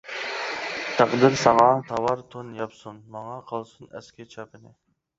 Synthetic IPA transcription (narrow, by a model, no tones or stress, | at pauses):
t̪ʰæqd̪ɨɾsɑvɑːnt̪ʰɑwɑɾt̪ʰonjɑpsunmɑŋɑqʰɑlˠsunɛ̰skʲɪt͡ʃʰɑpɪnɪ